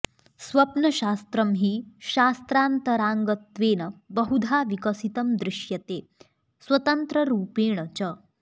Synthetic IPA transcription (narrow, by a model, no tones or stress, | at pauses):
sʋɐpnəɕast̪ɾəmɦiːɕast̪ɾant̪əɾãŋɡət̪ʋeːnəbəɦud̪ʱaʋikəsit̪əmd̪ɾɪɕjɐt̪eː | sʋət̪ənt̪ɾəɾuːpeːɳ̃ət͡ɕə